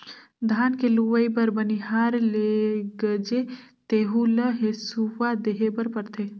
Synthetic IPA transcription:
d̪ʱaːnkeluʋəjbəɾbəniɦaɾleɡəd͡ʒet̪eɦuləɦesuʋad̪eɦebəɾpəɾt̪ʰe

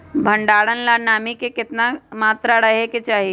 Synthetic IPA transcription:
bʱəɳɖaːɽənlanaːmikekɪt̪namaːt̪ɾaɽəɦeket͡ʃaːɦi

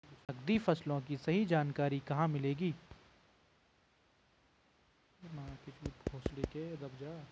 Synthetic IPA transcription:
ɐɡd̪ifɐslõkisɐɦid͡ʒaːnkaːɾikɐɦãmɪleːɡiː | makɪt͡ʃuːt̪̚oːsleked̪ɐbd͡ʒaː

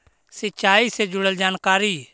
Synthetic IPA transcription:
sɪt͡ʃaːised͡ʒʊɽəld͡ʒaːnkaːɾi

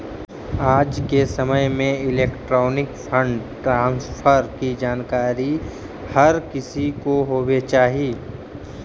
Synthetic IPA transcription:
aːd͡ʒkesɐməjmẽɪleːkʈɾoːnɪkfʰə̃ɳɖʈɾãːnspʰəɾkid͡ʒaːnkaːɾi | hɐɾkɪsikoɦoːwet͡ʃaːɦiː

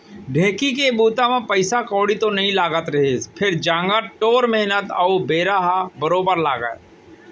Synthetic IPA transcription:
ɖʱẽːkikebuːt̪amẽpəɪsakoːɽit̪onɐɦĩlaːɡət̪ɾɐɦepʰɪɾd͡ʒãːŋɡəʈoːɾmɛɦnət̪əwbeːɾaːɦabəɾoːbəɾlaːɡə̰

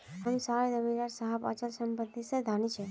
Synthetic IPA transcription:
ɦəmsaɾejd̪əmiɾaɾsəɦəpa̰t͡ʃəlsəmpət̪ised̪ʱanit͡ʃʰe

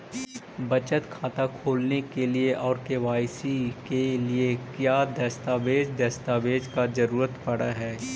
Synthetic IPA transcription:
bɐt͡ʃət̪kʰaːt̪akʰoːlnekelieʔɔːɾkeːʋaːjsikeliekjaːd̪ɐst̪aːʋeːd͡ʒd̪ɐst̪aːʋeːd͡ʒkazɐɾuːɾət̪pɐɽaɦɛː

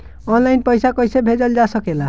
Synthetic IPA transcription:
ɔnlajnpɔjsakɔjsebʱed͡ʒɔld͡ʒasɔkela

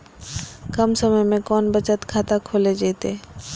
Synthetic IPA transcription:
kɐmsəməjmẽkɔːnbət͡ʃət̪kʰaːt̪akʰoːled͡ʒeːt̪eː

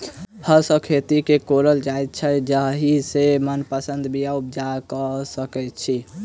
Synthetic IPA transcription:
həɾsəkʰet̪ikekoɾəld͡ʒajt̪̚t͡ʃʰəd͡ʒəɦɦisemənpəsənd̪bijaup̚d͡ʒakɔsəkɛt̪̚t͡ʃʰi

